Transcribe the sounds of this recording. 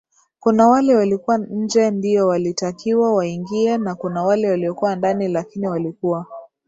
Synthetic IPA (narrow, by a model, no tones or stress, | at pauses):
kunawalɛwalikuwaɲ̩d͡ʒɛndiɔwalitakiwawaiŋɡiɛnakunawalɛwaliɔkuwandanilakiniwalikuwa